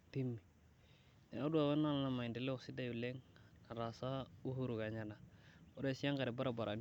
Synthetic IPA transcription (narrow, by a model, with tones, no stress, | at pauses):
ti˦mːi˨ | ne˨o˦du˦a˨we˦n˦a˦n˦la˨ma˨i˨nde˨lɛ˦˨ksi˦da˦ju˨le˦ŋ | na˨ɾa˨sa˦u˦hu˦ɾu˨ka˨ɲa˨na˨o˦ɾe˦˨si˦a˦ŋka˨ɾɛ˨ba˦ɾa˨ba˨ɾʔa̰˨n